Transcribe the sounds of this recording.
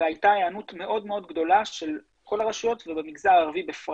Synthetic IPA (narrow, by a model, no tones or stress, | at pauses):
eajtaeanutme̞ʔo̞dme̞o̞dɡd̪o̞laʃe̞l | ko̞laʁaʃujo̞tvebemiɡzaːʁvibefʁ